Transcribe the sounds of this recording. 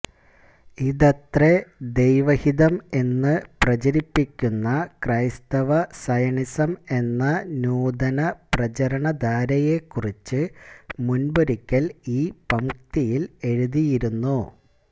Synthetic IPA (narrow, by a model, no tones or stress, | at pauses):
iðɐt̪red̪ejʋɐhiðɐme̞nːɨprɐt͡ɕɐɾipːikʲːunːɐkrɐjst̪ɐʋɐsɐjɐɳisɐme̞nːɐnuːd̪ɐnɐprɐt͡ɕɐɾɐɳɐd̪aːɾɐje̞kːurit͡ɕːɨmunbɐɾikʲːɐliːpɐmkt̪ijile̞ɻuðijiɾunːu